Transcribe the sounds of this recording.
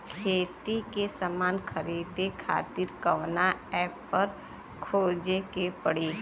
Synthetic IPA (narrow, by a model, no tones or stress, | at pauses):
kʰeːt̪ikesamaːnxəɾiːd̪ekʰa̰ːt̪ɪɾkɐʋnaɛːpːɐɾ | kʰoːd͡ʒekepəɽi